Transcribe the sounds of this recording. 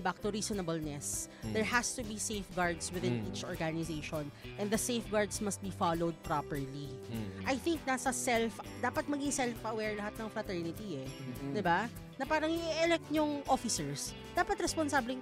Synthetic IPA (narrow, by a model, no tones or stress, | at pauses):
bak̚t̪ʊɾiːsɔnɐbʊlnɛsd̪ɛɹhast̪ʊbisejfɡaɹd̪swɪðɪnʔit͡ʃʔɔɹɡanɪsejʃɔnʔɛ̃nd̪d̪ɐsejfɡaɹd̪smɐst̪̚bifalowd̪̚pɾapɛɹli | ʔɐjθɪŋk̚nasɐsɛlfd̪aːpɐt̪̚mɐɡɪŋsɛlfɐwɛɹlɐhat̪̚nɐŋfɾɐt̪ɛɹnɪt̪iɛd̪ɪba | nɐpaːɾɐŋʔɪʔʔɛlɛk̚t̪̚ɲʊŋʔofɪsɛɹs | d̪̥aːpɐt̪ɾɛsponsaːblɪŋ